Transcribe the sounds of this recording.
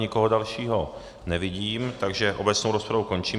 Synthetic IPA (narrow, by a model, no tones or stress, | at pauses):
ɲɪkoɦodalʃiːɦo | nɛvɪɟiːmt̪aɡʒɛʔobɛtt͡snowɾospɾavukont͡ʃiː